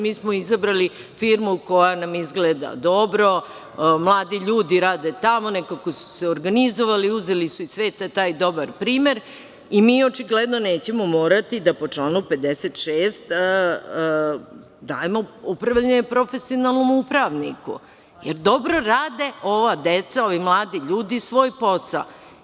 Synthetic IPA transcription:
miːsmo̞izabɾali | fiːɾmuko̞janamizɡleːd̪a̰d̪o̞bɾo̞ | mlˠaːd̪iʎuːd̪iɾaːd̪et̪amo̞nekakosu̥seoɾɡanizo̞ʋaliuzelisuisʋeːt̪at̪aːjd̪o̞baɾpɾiːme̞ɾ | imiːo̞t͡ʃiɡled̪no̞ne̞ːt͡ɕemo̞mo̞ːɾat̪id̪apo̞t͡ʂlaːnupe̞d̪eset̪ʃeːst̪ː | d̪aːjemo̞upɾaʋʎaɲepɾo̞fe̞sio̞nalˠno̞mupɾaʋnḭkṵ | jeɾd̪o̞bɾo̞ɾaːd̪eo̞ʋad̪et̪sao̞ʋimlˠaːd̪iʎuːd̪isʋo̞ːjpo̞sa̰l

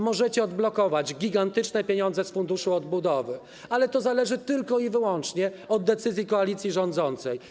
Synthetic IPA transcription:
mɔʐɛt͡ɕɛɔd̪blɔkɔvad͡ʑɡʲiɡant̪ɘt͡ʂnɛpʲjeɲɔnzɛsfund̪uʂuɔd̪bud̪ɔvɘ | alɛt̪ɔzalɛʐɘt̪ɘlkɔivɘwɔnt͡ʂɲɛɔd̪̚dːɛt̪sɘzʲjikɔalʲit̪sʲjiʐɔnd̪zɔnt̪sɛj

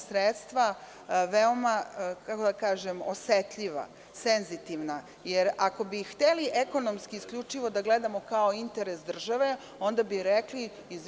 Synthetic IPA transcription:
sɾet̪st̪ʋa | ʋeo̞makako̞d̪akaːʒemoset̪ʎiʋa̰ | senzit̪iʋna | jeɾako̞bixt̪eliʔeko̞nomskiːskʎʲut͡ʃiʋo̞d̪aɡle̞d̪amo̞kao̞int̪e̞ɾesd̪r̩ʒaʋe̞ | o̞nd̪abiɾekliː | z

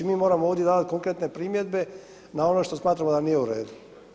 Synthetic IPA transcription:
imiːmoɾamooːʋd̪je̞d̪aːd̪at̪̚koŋkɾet̪ne̞pɾiːmje̞d̪be̞ | nao̞noʃt̪o̞smaːt̪ɾamod̪anije̞uɾeːd̪u

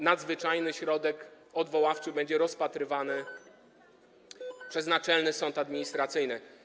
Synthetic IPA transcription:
nad̪zvɘt͡ʂajnɘɕɾɔd̪ɛk | ɔd̪vɔwaft͡ʂɘbɛɲd͡ʑɛɾɔspat̪ɾɘvanɘ | pʂɛznat͡ʂɛlnɘsɔnt̪ad̪mʲiɲist̪ɾat̪sɘjnɘ

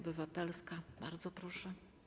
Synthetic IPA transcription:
bɘvat̪ɛlskaba̰ɾd̪zɔpɾɔʂɛ

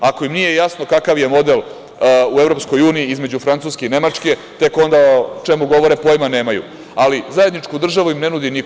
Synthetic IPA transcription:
ako̞imnije̞jasno̞kakaʋjemo̞d̪elˠ | ue̞vɾo̞psko̞juːniːizme̞d͡ʑufɾant̪uːskeine̞mat͡ʂke̞ | t̪e̞ko̞nd̪at͡ʃe̞muɡo̞ʋo̞ɾepo̞jmane̞ːmajṵ | alizaje̞d̪nit͡ʂkud̪r̩ʒaʋuimne̞nud̪inik

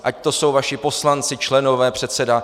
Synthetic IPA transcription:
ʔac̚t̪o̞so̞wvaʃɪpo̞slant͡sɪt͡ʃlɛno̞vɛːpr̝̥ɛt̪sɛda

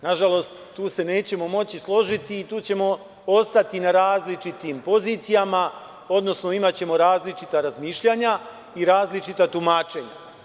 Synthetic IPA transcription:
naʒalo̞st̪ːuːse̞ne̞ːt͡ɕe̞mo̞mo̞t͡ɕislˠo̞ʒit̪iːt̪uːt͡ɕe̞mo̞ | o̞st̪at̪inaɾaːzlit͡ʃit̪iːmpo̞ziːt̪sijama | o̞d̪no̞sno̞imat͡ɕe̞mo̞ɾaːzlit͡ʃit̪aɾazmiːʃʎaɲa | iɾaːzlit͡ʃit̪at̪umaːt͡ʃe̞ɲa̰

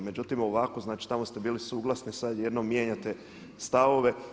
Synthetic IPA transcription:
me̞d͡ʒut̪imo̞ʋako̞znaːt͡ʃi̥t̪amost̪e̞biːlisuːɡlˠasnisad̪jed̪nomːjeːɲat̪e | st̪aʋo̞ʋe

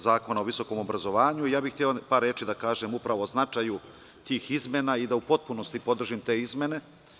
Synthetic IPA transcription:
zaːko̞naoʋiso̞ko̞ːmobɾazo̞ʋaːɲuijaːbixt̪ʲeopaːɾːeːt͡ʃid̪akaːʒemupɾaʋo̞ːznat͡ʃaju | t̪iːxizme̞naid̪aupo̞t̪̚puno̞st̪ipo̞d̪r̩ʒimt̪e̞ːizme̞ne̞

